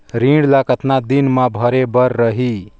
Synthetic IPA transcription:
ɾĩɽlakət̪nad̪inmabʱəɾebəɾːəɦi

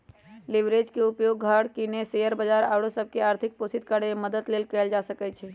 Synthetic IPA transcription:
liʋɾed͡ʒkeupjoɡːʱaɽkinesejəɾbəd͡ʒaɾawɽosəb̚ʱkeaːɾt̪ʰik̚posʰit̪̚kəɽeeməd̪əd̪lelkɛːld͡ʒasəkɛt͡ʃʰɛ

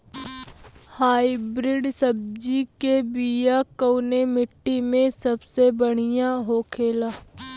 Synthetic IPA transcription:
haːibɾɪɖsɐb̚d͡ʒikebijakəʊnemɪʈːimẽsɐbsebəɽ̤ijãɦoːkʰeːlaː

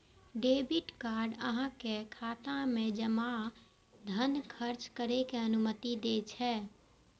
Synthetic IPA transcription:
ɖebɪʈkaːɾɖə̰ɦãkekʰaːt̪ãmẽd͡ʒəma | d̪ʱənkʰəɾt͡ʃkəɾekeənʊmət̪id̪et͡ʃʰɛː

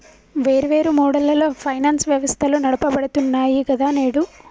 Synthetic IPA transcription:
ʋe̞ːɾiʋe̞ːɾumɔːɽɐlɐloːpʰɐjnaːnsʋjɐʋɐst̪ʰɐlunɐɽɐpɐbɐɽut̪unːaːjikɐd̪aːneːɽu

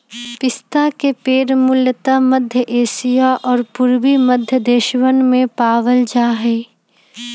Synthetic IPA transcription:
pɪst̪akepeːɾmʊljət̪amɐd̪ʱjəʔeːʃijaʔɔːɾpʊɾʋiməd̪ʱjəd̪eːʃʋənmẽpaːʋəld͡ʒaːɦɛː

